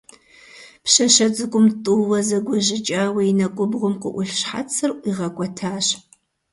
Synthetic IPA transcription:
pɕɐɕɐt͡sʼɨkʷʼʊmtʼuːwɐzɐɡʷɔʑɪt͡ʃʼaːwɐinɐkʷʼʊbʁʷʊmqʷʼʊʔʷʊɬɕħa̰t͡sʰɨrʔʷʼiʁɐkʷʼɔtʰaːɕ

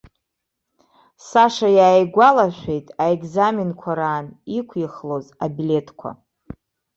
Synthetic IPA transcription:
saʂajaːjɡʷalaʃʷᶣe̞jtʼaekʼzaminkʷʰaɾaːnikʷʰiχlozabile̞tʰkʷʰa̰

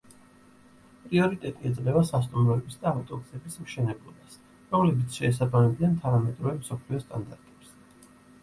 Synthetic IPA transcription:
pʼɾiɔɾit̪ʼɛt̪ʼiɛd̪sʼlɛvasast̪ʼumɾɔɛbisd̪aːft̪ʼɔksɛbismʃɛnɛblˠɔbas | ɾɔmlɛbit̪sʰʃɛːs̬abamɛbiant̪ʰanamɛt̪ʼɾɔvɛmsɔpʰliɔst̪ʼand̪aɾt̪ʼɛ̥ps

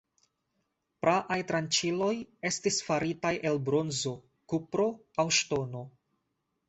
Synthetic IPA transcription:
pɾʔaʔajtɾant͡ʃilo̞je̞stisfaɾitajʔe̞lbɾo̞nzo̞ | kupɾo̞ | awʃto̞no̞

